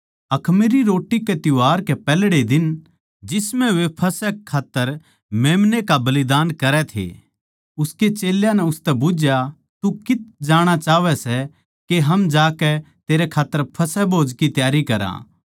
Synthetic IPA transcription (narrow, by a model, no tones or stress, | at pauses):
ɐkʰmeɾiɾoːʈːikɛt̪jʊaːɾkɛpɛːlɽed̪ɪn | d͡ʒɪsmɛ̃ʋepʰɐsɛkʰːaːt̪ːəɾ | meːmnekabɐlɪd̪aːnkɐɾɛt̪ʰḛ | ʊsket͡ʃeːljãnɛʊst̪ɛbʊd͡ʒja | t̪ukɪt̪̚d͡ʒaːɽ̃at͡ʃaːʋɛsɛ | keɦɐmd͡ʒaːkɛ | t̪eːɾɛkʰaːt̪ːəɾpʰɐsɛboːd͡ʒkit̪jaːɾikɐɾã̰ː